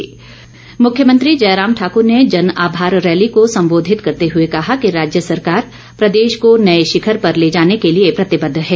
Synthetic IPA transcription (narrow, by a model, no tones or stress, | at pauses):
mʊkʰjəmə̃nt̪ɾid͡ʒɐːɾaːmʈʰaːkʊɾned͡ʒɐnaːbʱaːɾːɛːlikosɐ̃mboːd̪ʱɪt̪kɐɾt̪eɦʊekɐɦakiɾaːd͡ʒjəsɐɾkaːɾ | pɾɐd̪eːʃkonɐeʃɪkʰəɾpɐɾleːd͡ʒaːnekeliepɾɐt̪ɪbəd̪ʱːɦɛː